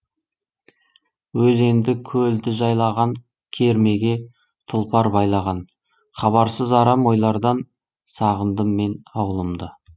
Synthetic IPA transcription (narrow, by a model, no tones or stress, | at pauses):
wɵze̞nd̪ɪkʲʰɵld̪ɪʒɑjlˠɑʁɑŋ | kʲʰe̞ɾme̞ɡʲe̞ | t̪ʰʊlˠpɑɾbɑjlˠɑʁɑn | χɑβɑɾsəzɑɾɑmo̞jlˠɑɾd̪ɑn | sɑʁənd̪əmːe̞nɑwlˠəmd̪ə